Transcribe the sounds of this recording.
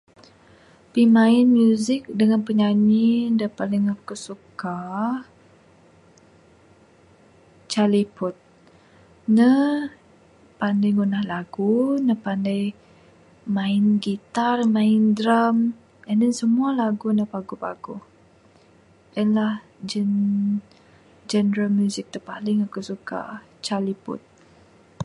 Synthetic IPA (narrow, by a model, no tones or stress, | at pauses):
pimaɪnmjuzɪk̚dəŋanpəɲanidəpaliŋkəsuka | t͡ʃalipʊt̪̚ | nə | pandajɡunahlaɡunəpandaj | mãɪnɡit̪armãɪndɾam | ənənsəmualaɡunəpaɡupa̰ɡuh | ʔənlah | d͡ʒən | d͡ʒɛnɾalmjuzɪk̚t̪əpalɪŋakusuka̰ | t͡ʃalipʊ̰t̪̚